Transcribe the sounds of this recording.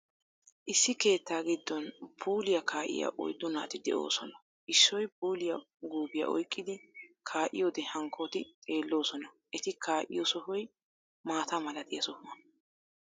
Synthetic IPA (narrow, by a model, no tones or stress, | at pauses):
ʔɪsːɪke̞ːt̪ːaːɡɪd̪ːɔnpʰuːlɪjɐkʰaːʔɪ̰ja̰ʔɔ̰jd̪ʊna̰ːt̪ɪd̪ɛ̰ʔo̞̰ːsɔnɐ | ʔɪsːɔjpuːlɪjɐ | ɡuːbɪjɐ̰ʔɔ̰jkʼːɪd̪ɪkʰaːʔɪ̰joːd̪ɛhɐŋkʰoːt̪ɪt̪ʼe̞ːlːo̞ːsɔnɐ | ʔɛt̪ɪkʰaːʔɪ̰jɔsɔhɔj | maːt̪ɐmɐlɐt̪ɪjɐsɔhʊmɐn